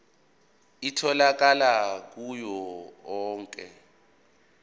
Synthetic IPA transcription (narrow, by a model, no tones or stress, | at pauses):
itʰɔlak̬alak̬ujɔɔːŋkʼɛ̰